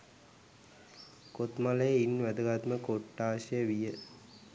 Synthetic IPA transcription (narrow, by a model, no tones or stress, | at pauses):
kot̪malejəinʋæd̪əɡat̪məkoʈːaːɕɐjəʋijə